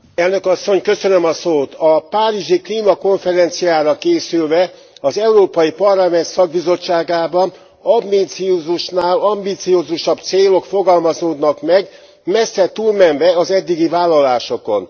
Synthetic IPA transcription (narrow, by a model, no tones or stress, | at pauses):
ɛlnø̞kɒsːo̞ɲkø̞sø̞nømɒsoːt̪ɒpaːɾiʒikliːmɒko̞ɱfɛɾɛnt̪sijaːɾɒkeːsylvɛ | ɒzɛuɾoːpɒjipɒrlɒmɛnt̪sɒɡ̚bizo̞t͡ʃːaːɡaːbɒn | ɒmbit̪sioːzuʃnaːlɒmbit̪sioːzuʃɒbt̪seːlo̞kfo̞ɡɒlmɒzoːd̪nɒkmɛɡ | mɛsːɛt̪uːlmɛnvɛɒzɛd̪ːiɡivaːlːɒlaːʃo̞ko̞̰n